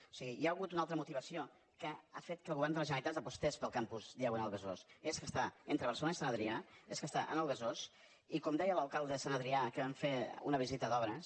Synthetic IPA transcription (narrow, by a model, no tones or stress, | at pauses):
o̥siɣijaəɣut̪unalˠt̪ɾəmut̪iβəsio | kəafet̪̚kəlɣuβɛɾrnd̪ələzʒənəɾit̪azd̪əpust̪espəlˠkampuzðiaɣuənəlˠβəzoseskəst̪aent̪ɾəβ̞ərsəlonəisanəðɾiaeskəst̪aʔə̰nəlˠβəzos | ikɔmd̪ɛjələlˠkalˠd̪əsanəðɾiakəβɛmfeṵnəβ̞izit̪əðɔβɾəs